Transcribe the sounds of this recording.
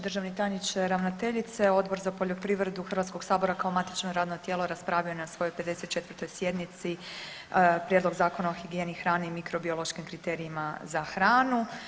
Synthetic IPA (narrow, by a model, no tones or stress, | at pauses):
d̪r̩ʒaʋnit̪ajnit͡ʃeɾaʋnot̪e̞ʎit̪se̞o̞d̪bo̞ɾzapo̞ʎo̞pɾiːʋɾed̪uxr̩ʋat̪ko̞ɡ̥saːbo̞ɾakaomat̪i̥t͡ʃnoɾaːd̪not̪jeːloɾaspɾaʋionasʋo̞jo̞jpe̞d̪e̞set̪̚t͡ʃet̪ʋərt̪o̞jsje̞d̪nit̪si | pɾjed̪lˠo̞ɡzaːkonaoxiɡije̞nixɾaːniimikɾo̞biolˠo̞ʃkimkɾit̪eːɾiimazaxɾaːnu